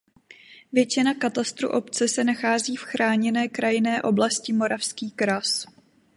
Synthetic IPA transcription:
vjɛt͡ʃɪnakat̪ast̪ɾṵʔo̞pt͡sɛsɛnaxaːziːfxɾaːɲɛnɛːkɾajɪnɛːʔo̞blascɪmo̞ɾafskiːkɾas

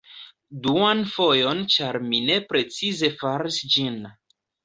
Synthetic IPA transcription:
duanfo̞jo̞nt͡ʃaɾmine̞pɾe̞t͡size̞faɾisd͡ʒin

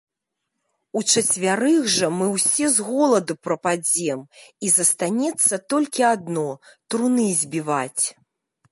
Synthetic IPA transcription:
ut͡ʂɐt͡sʲvʲaɾɨɣʐɐmɨwsʲɛzɣɔlˠɐd̪upɾɐpad͡zʲɛmizɐst̪anʲɛt̪sːɐt̪ɔlʲkʲiad̪nɔt̪ɾunɨzʲbʲivat͡sʲ

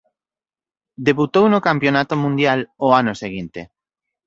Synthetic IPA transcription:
d̪eβut̪ownokampjonat̪omũnd̪jaloanoseɣint̪ḛ

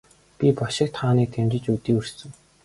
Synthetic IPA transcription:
pʲipɔʃɪ̆k̚t̪χaːniːk̚t̪ʰemt͡ɕɪ̆t͡ɕut̪iːɵr̥sɘ̆ŋ

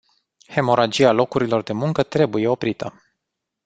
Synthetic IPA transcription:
he̞mo̞ɾad͡ʒialo̞kuɾilo̞rd̪e̞muŋkət̪ɾe̞buje̞o̞pɾit̪ʰə

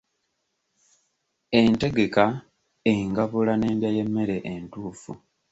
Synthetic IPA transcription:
e̞nte̞ɡe̞ka | eŋɡaβulane̞ːmdjaje̞mːe̞ɾe̞ʔentuːfu

